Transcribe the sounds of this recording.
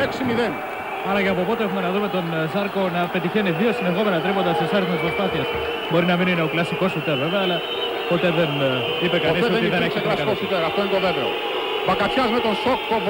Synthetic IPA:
eksimiðen | ɐɾɐkɐpopot̪eexumenɐðumet̪onzɐɾkonɐpet̪içeniðiosineɣomenɐt̪ɾimɐt̪ɐsesɐɾizmɐs̬pɾospɐθiɐs | boɾinɐminineoklɐsikosput̪eveveɐlɐ | pot̪eðen | ipekɐnisiðeneksit̪ɐsɐkosit̪eɾɐft̪oent̪oðevḛl | bɐkɐt͡ʃazmet̪õsokukov

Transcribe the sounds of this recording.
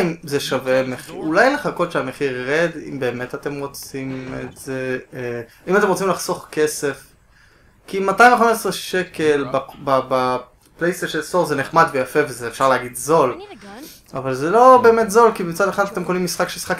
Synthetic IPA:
imzeʃavemeχḭulajleχako̞d̪ʃeameχiʁːed̪ḭmbe̞ːme̞tate̞mʁo̞t͡simetz̥e | imatemʁot͡simlaχso̞χkesef | kimataĩɱveχamesʁeʃekelbababa | plejst̪eʃelsoʁzeneχmad̪vejafe̞vezeːfʃaʁleaɡidzo̞l | avalzelo̞be̞ːmetzo̞lkibit͡sadeχad̪ate̞mkonimːisχakʃesχak

